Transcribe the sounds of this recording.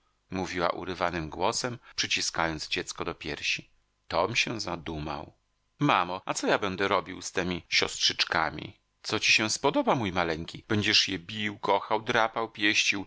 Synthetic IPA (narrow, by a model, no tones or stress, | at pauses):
muvʲiwa̰ʔṵɾɘvanɘmɡwɔsɛmpʂɨt͡ɕiskajɔnd̪zd͡ʑɛt̪skɔd̪ɔpʲjɛ̰ɾɕi | t̪ɔmɕɛzad̪uma̰w | mamɔat̪sɔjabɛnd̪ɛɾɔbʲiwst̪ɛmʲiɕɔ̰stʂɘt͡ʂka̰mʲḭ | t̪sɔt͡ɕiɕɛ̃spɔd̪ɔbamujmalɛŋkʲib̥ɛɲd͡ʑɛʂjɛbʲiwkɔxawd̪ɾapawpʲjɛɕt͡ɕiw